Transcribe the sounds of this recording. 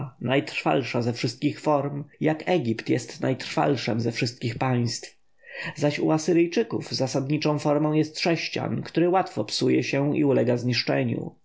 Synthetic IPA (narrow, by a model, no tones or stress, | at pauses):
najt̪ɾfa̰lʂazɛfʂɘst̪̚kʲixfɔɾmjakɛɡʲipt̪jɛst̪najt̪ɾ̥fa̰lʂɛmzɛfʂɘst̪kʲixpaj̃st̪f | zaɕṵasɘɾɘjt͡ʂɘkuvzasad̪ɲit͡ʂɔ̃w̃fɔɾmɔ̃w̃jɛst̪ʂɛɕt͡ɕa̰nkt̪uɾɘwat̪fɔpsujɛ̰ɕɛḭulɛɡazɲiʂt͡ʂɛɲṵ